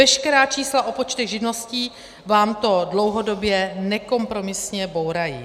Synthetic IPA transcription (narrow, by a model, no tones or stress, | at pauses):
ɛʃkɛɾaːt͡ʃiːslaʔo̞po̞t͡ʃt̪ɛɣʒɪdno̞sciː | vaːmt̪o̞dlo̞wɦo̞dobjɛnɛko̞mpɾo̞mɪsɲɛbo̞wɾajḭː